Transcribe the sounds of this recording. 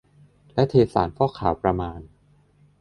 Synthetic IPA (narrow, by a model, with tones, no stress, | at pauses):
lɛ˦˥t̪ʰeː˧sa̰ː˩˦nkʰɔː˥˩kʰa̰ː˩˦wpɾa˧maː˧n